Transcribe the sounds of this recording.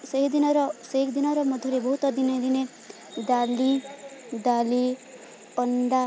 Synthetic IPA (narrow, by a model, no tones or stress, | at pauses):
sʌɦid̪inʌɾɔseɦikd̪inʌɾɔmʌd̪ʱɔɾebɔɦut̪ɔd̪inʌjd̪ine | d̪alid̪ali | ɔnɖa